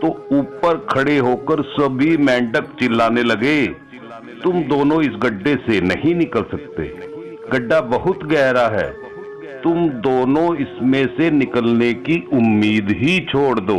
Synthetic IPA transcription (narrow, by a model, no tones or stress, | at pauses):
t̪ouːpəɾkʰɐɽeɦoːkəɾsɐbʱimɛ̃ːɳɖəkt͡ʃɪlːaːnelɐɡe | t̪ʊmd̪oːnõɪsɡɐɖːesenɐɦĩnɪkəlsɐk̚t̪ḛː | ɡɐɖːabɐɦʊt̪ɡɛːɾaɦɛ̰ː | t̪ʊmd̪oːnõɪsmẽsenɪkəlnekiʊmːiːd̪ɦit͡ʃʰoːɽd̪oː